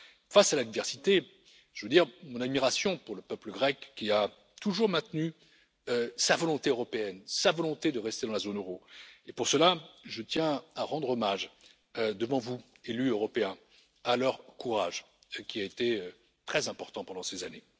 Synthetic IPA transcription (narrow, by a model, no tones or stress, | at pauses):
fasalad̪ivɛʁsit̪e | ʒ̥əvød̪iʁmɔ̃nad̪miʁasjɔ̃puʁləpœpləɡʁɛkːia | t̪uʒuʁmɛ̃t̪ny | øsavɔlɔ̃t̪eøʁɔpeɛnsavɔlɔ̃t̪ed̪əʁɛst̪ed̪ɑ̃lazonøʁoepuʁsəlaʒət̪jɛ̃aʁɑ̃d̪ʁɔmaʒ | ød̪əvɑ̃vuelyøʁɔpeɛ̃ | alœʁkuʁa̰ʒ | kʲiaet̪eø | t̪χɛzɛ̃pɔʁt̪ɑ̃pɑ̃d̪ɑ̃sezane